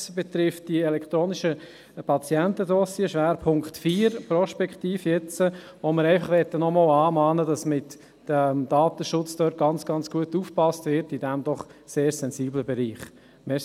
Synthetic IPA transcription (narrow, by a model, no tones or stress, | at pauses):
sb̥ɛt̪ɾɪft̚d̥iɛlɛkt̪ɾoːniʃə | pʰɑt͡sjɛntədɔsiəʃʋæːɾpʰʊŋktfiːɾprɔʃpɛkχtiːfjɛt͡sə | ʋoməɾɛɪfɑχʋɛt̪ːənɔmɔːlɑːmɑːnədɑsmɪt | əmd̥ɑːt̪əʃʊt͡sd̥œːt̚ɡ̥ɑnt͡sɡ̥ɑnt͡sɡ̥uətuːfpɑstvɪɾtid̥ɛmd̥̪ɔχseːɾsɛnziːbləbɛɾiːχ | mɛ